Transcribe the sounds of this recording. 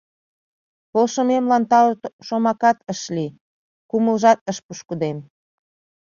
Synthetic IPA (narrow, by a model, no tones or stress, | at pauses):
polʃəmemlɑnt̪ɑlt̪ʃomɑkɑt̪əʃli | kuməlʒɑt̪̚əʃpuʃkud̪em